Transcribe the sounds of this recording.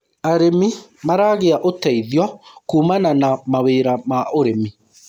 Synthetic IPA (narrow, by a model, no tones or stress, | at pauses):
aɾemimaɾaːɣeaʔotɛiðjɔkuːmananamaweːɾamaʔoɾemi